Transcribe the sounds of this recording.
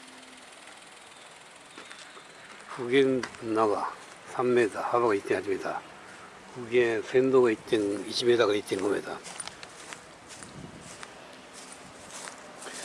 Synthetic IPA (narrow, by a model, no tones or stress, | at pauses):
ɸuɡenːaɡa | sʰamːedahaβaɡait̚t̪͈enɦad͡ʑimida | uɡesʰendoɡait̚t͈eniɕʰimedaɡait̚t̪͈enɡomeda̰